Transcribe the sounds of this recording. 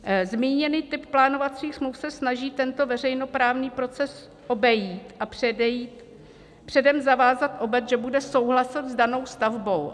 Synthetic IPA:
zmiːɲɛniːt̪ɪpplaːno̞vat͡siːxsmluwfsɛsnaʒiːt̪ɛnt̪ovɛr̝ɛjno̞pɾaːvniːpɾo̞t͡sɛs | ʔo̞bɛjiːt̪ʔapr̥ɛdɛjiːt̪ | pr̝̥ɛdɛmzavaːzat̪ʔo̞bɛt̪ʒɛbudɛso̞wɦlasɛt̪zdano̞wst̪avbo̞w

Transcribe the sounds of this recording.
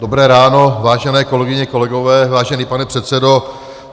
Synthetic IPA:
dobɾɛːɾaːno̞vaːʒɛnɛːko̞lɛɡɪɲɛko̞lɛɡo̞vɛːvaːʒɛniːpanɛpr̥ɛt̪sɛdo̞

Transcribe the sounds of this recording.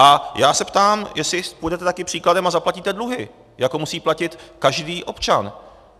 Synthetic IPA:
ʔajaːsɛpt̪aːmjɛsɪpujdɛt̪ɛt̪akɪpr̥iːkladɛmazaplaciːt̪ɛdluɦɪ | jakomusiːplacɪt̪kaʒdiːʔo̞pt͡ʃan

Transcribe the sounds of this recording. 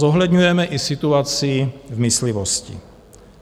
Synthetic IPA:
oɦlɛd̪ɲujɛmɛʔɪsɪt̪uat͡sivmɪslɪvoscɪ̰

